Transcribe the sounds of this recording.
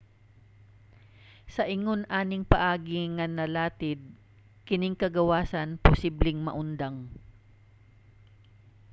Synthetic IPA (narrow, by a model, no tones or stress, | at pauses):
sɐʔɪŋonʔaːnɪŋpɐʔaːɡɪŋɐnɐlaːt̪ɪd̪̚ | kɪnɪŋkɐɡɐwaːsɐnpʊsiblɪŋmɐ̰ʔʊnd̪aŋ